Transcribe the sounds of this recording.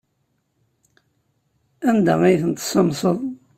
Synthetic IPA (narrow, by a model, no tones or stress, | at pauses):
ænd̪æ̰ijθənt̪sɑmsˤəðˤ